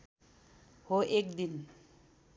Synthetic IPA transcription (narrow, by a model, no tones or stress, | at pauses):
hoʔekd̪in